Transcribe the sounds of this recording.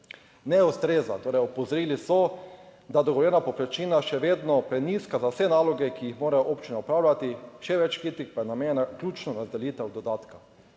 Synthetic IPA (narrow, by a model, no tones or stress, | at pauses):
nɛust̪ɾeːzat̪oːɾɛjɔpɔzɔɾiːlisɔd̪ad̪ɔɡɔʋɔljɛːnapɔpɾɛt͡ʃiːnaʃɛʋeːd̪nɔpɾɛniːskazawsɛnaːlɔɡɛkiixmoːɾajɔʔopt͡ʃinɛupɾaːwlʲat̪iʃɛʋɛt͡ʃkit̪ikpajɛnameːnaklʲuːt͡ʃnɔɾazd̪ɛljiːt̪ɛwd̪ɔd̪aːt̪ka